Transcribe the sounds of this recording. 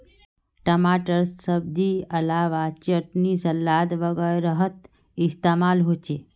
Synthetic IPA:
ʈəmaːʈəɾəb̚d̪iɐlaːʋat͡ʃəʈnisɐlːaːd̪ʋəɡəɾəɦət̪ | ɪst̪emaːlɦoːt͡ʃe

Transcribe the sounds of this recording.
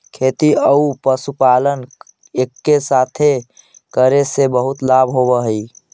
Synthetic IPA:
kʰet̪iəupəsupalən | ekːesat̪ʰe | kəɾesebəɦut̪labʱɦobəɦəi

